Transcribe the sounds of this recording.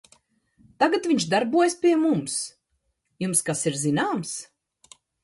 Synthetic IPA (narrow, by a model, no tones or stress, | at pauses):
t̪aɡat̪viɲʃd̪aɾbuɔjspʲiɛmums | jumskasiɾzinaːms